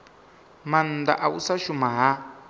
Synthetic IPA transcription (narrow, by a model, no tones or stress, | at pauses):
man̩da̰ʔausaʃumaɦa